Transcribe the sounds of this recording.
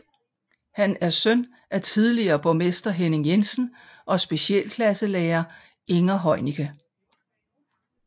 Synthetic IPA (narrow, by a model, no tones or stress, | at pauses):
hænæɐsœn | ʔæɐt͡sʰið̞ˠliɐːb̥ome̝sd̥ɐɦene̝ŋjensn̩ | ʔɒ̽sb̥e̝ɕiɛ̰ːlkʰlæsəlɛːɐ | ʔe̝ŋɐɦɒ̽ɪnikʰə